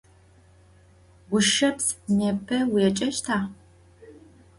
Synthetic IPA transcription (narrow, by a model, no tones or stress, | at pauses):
ɡʷʊʃɐpsnepʰɐwɛt͡ʃʼɐʃtʰaː